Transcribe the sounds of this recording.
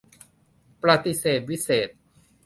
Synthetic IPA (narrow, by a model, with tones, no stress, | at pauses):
pɾa˧t̪i˧seː˨˩t̪̚wi˦˥seː˨˩t̪̚